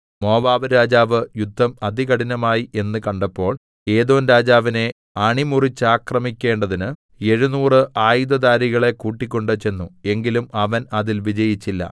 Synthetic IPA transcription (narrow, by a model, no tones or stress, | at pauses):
mo̞ːbaːʋɐɾaːd͡ʑaːʋɨjud̪ʱːɐmɐd̪iɣɐɽinɐmaːjiʔe̞nːɨkɐɳɖɐpːo̞ːɭ | e̞ːðo̞ːnɾaːd͡ʑaːʋine̞ | ɐɳimurit͡ɕːaːkrɐmikʲːe̞ːɳɖɐðinɨ | e̞ɻunuːrɨʔaːjid̪ɐd̪aːɾiɣɐɭe̞kuːʈːikʲːo̞ɳɖɨt͡ɕe̞nːue̞ŋɡilumɐʋɐnɐðilʋid͡ʑɐjit͡ɕːilːɐ̰